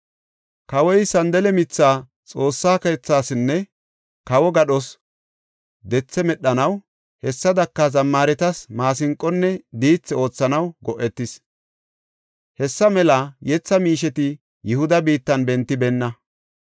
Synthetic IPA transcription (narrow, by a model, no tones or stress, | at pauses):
kɐwɔjsɐnd̪ɛlɛmɪt͡sːaː | t͡sʼo̞ːsːaːkeːt͡sːaːsɪnːɛ | kɐwɔɡɐɗɔs | d̪ɛt͡sːɛmɛɗːɐnɐw | hɛsːɐd̪ɐkːɐzɐmːaːɾɛt̪ɐsmaːsɪŋkʼːɔnːɛd̪iːt͡sːɛo̞ːt͡sːɐnɐwɡɔʔːɛt̪ːɪs | hɛsːɐmɛlɐjɛt͡sːɐmiːʃ̬ɛt̪ɪ | jɪhʊd̪ɐbiːt̪ːɐnbɛnt̪ːɪbɛnːɐ